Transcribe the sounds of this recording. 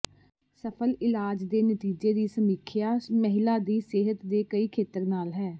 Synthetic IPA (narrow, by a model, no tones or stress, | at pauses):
səpʰəlɪlaːd͡ʒd̪eːnət̪iːd͡ʒeːd̪iːsəmiːkʰɪjaːməɦɪlaːd̪iːseːɦət̪d̪eːkəiːkʰeːt̪əɾnaːlɦɛː